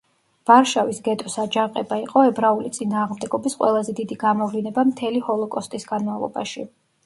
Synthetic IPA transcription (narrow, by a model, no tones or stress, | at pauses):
vaɾʃavisɡɛt̪ʼɔsad͡ʒaqʼɛbaiqʼɔɛbɾaulit̪sʼinaːʁmd̪ɛɡɔbisqʼwɛ̰lˠazɛd̪id̪iɡamɔvlinɛbamt̪ʰɛlihɔlˠɔkʼɔst̪ʼisɡanmavlˠɔ̰ba̰ʃi